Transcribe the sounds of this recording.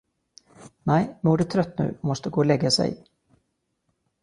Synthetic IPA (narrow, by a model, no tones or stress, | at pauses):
nɛɪmuːɖɵt̪ʰɾœt̪ːnʉ̟̰ːɔmɔst̪əɡoːlɛɡːasɛ̰j